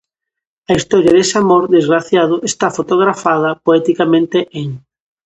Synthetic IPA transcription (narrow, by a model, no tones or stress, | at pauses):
ɐist̪ɔɾjɐðesamoɾðezɣɾaθjaðʊʔest̪afot̪oɣ̞ɾafaðɐpoɛt̪ikamẽnt̪eʔeŋ